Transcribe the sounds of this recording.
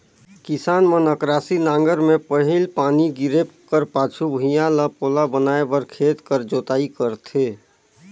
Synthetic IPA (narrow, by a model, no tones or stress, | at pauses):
kɪsaːnmənəkɾaːsinãːŋɡəɾmẽpəɦɪlpaːniɡɪɾekəɾpaːt͡ʃʰubʱijãlapoːlabənaːebəɾkʰeːt̪kəɾd͡ʒoːt̪aːikəɾt̪ʰeː